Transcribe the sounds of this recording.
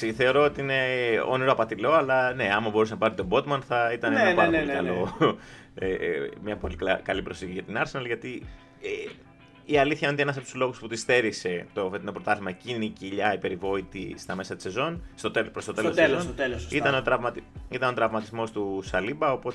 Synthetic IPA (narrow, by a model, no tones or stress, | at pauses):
siθe̞o̞ɾo̞ot̪iine̞o̰niɾo̞ɐpɐt̪ilo̞ɐlɐne̞ɐmɐbo̞ɾusenɐpɐɾit̪o̞bo̞t̪mɐnθɐit̪ɐnenɐpɐɾɐoliikɐ̰lo | emɲɐpo̞likkɐlipɾo̞siçiʝɐt̪inɐɾsenɐlʝɐt̪i | e | iɐliθçɐnet̪eenɐsɐpt̪u̥zlo̞ɣusput̪ist̪e̞ɾise̞t̪oft̪nopɾot̪ɐθimɐeciniciʎɐipe̞ɾivo̞it̪ḭst̪ɐme̞sɐt̪i̥se̞zo̞nst̪ot̪epst̪ot̪elsont̪eiɐneo̞t̪ɾɐvmɐt̪it̪ɐno̞t̪ɾɐvmɐt̪izmo̞st̪usɐlibɐo̞pot̪